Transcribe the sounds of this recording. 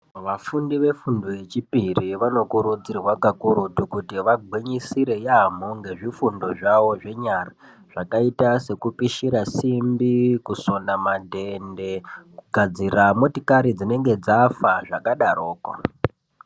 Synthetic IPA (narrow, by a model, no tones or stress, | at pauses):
ʋafundiʋe̞fundoje̞t͡ʃipiriʋano̞kuɾud͡zirwakakuɾutukutiʋaɡʱwiɲisiɾe̞jamoŋɡe̞ʐifundoʐaʋo̞ʐe̞ɲara | ʐ̥akaitase̞kupiʃiɾasimbikuso̞namadʱe̞nde̞kuɡʱad͡ziramotikaɾid͡zine̞ŋɡe̞d͡zafaʐakaɗaɾoːko̰